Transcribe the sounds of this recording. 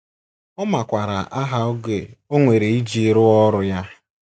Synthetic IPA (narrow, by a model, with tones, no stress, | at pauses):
ɔ˦ma˨kʷa˨ɾa̰˨ʔa˦ɦa˦ʊ˦ɡe˨o˦ŋʷe˨ɾe˨i˦d͡ʒi˨˦ɾʊ˦ɔ˦ɾʊ˨ja˦